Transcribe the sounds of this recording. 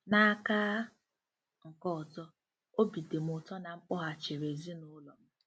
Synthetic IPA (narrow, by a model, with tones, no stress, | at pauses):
na˦a˦ka˦ | ŋ̩˨kɔ˦ɔ˨tɔ˦ | o˦bi˨de˨m̩˦ʊ˨tɔ˦na˨ŋ͡m̩˦k͡pʊ˦ɦa˨t͡ʃe˨ɾe˨zi˦nʊ˦lɔ˨m̩˦